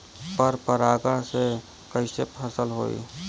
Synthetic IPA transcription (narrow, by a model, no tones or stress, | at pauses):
pəɾpəɾaːɡəɦse | kəʃɪpɦɐsəlɦo̰ːḭː